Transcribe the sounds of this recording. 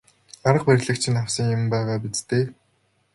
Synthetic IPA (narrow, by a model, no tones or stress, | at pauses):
aɾə̆q̚pæɾʲɮɘ̆kt͡ɕʰɪ̆nawsə̆ŋjʊmpæːʁaːp̬it͡st̪eː